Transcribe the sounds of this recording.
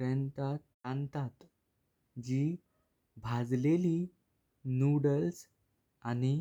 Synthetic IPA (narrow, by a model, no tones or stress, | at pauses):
ɾənt̪a | ãnt̪at̪ | d͡ʑiː | bʱad͡zleli | nuɽəls | añi